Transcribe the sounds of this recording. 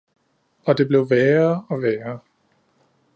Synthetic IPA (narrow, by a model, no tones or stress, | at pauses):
ɒ̽d̥e̝b̥le̝ʊʋɛːɐɒ̽ʋɛːɐ